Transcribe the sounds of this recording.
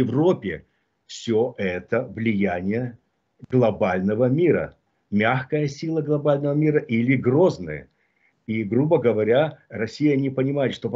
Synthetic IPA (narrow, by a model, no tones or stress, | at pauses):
ɪvropʲɪ | fsʲoʔɛt̪əvlʲɪjænʲɪjə | ɡlˠɐbalʲnəvəmʲiɾə̰ | mʲaxkəjəsʲilˠəɡlˠɐbalʲnəvəmʲiɾəʔilʲɪɡro̞znɨ̰jə̰ | iɡɾubəɡəvɐɾʲarɐsʲijənʲɪpənʲɪmajɪt̪ʂt̪op